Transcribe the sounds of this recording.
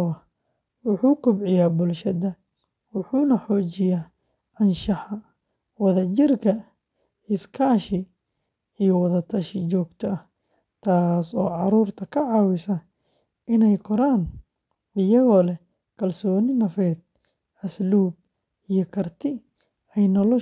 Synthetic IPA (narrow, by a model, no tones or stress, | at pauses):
ɐ | wʊħuːkʰʊbʕɪjaːbʊlʃɐðɐ | wʊħuːnɐħɔːt͡ʃɪjaː | ʔɐnʃɑħɐ | wɐðɐt͡ʃɪrkʰɐ | ɪskʰaːʃɪ | ijɔwɐðɐt̪ʰɐʃɪt͡ʃɔːɡt̪ʰɔɐh | t̪ʰaːsɔːʕɑɾuːrt̪ʰɐkʰɐʕɑːwɪsɐ | ʔɪnɛjkʰɔɾaːn | ɪjɐɣɔːlɛ | kʰɐlsɔːnɪnɐfɛːd̪̚ | ɐsluːb̚ | ijɔkʰɐrt̪ʰɪ | ɛjnɔlɔ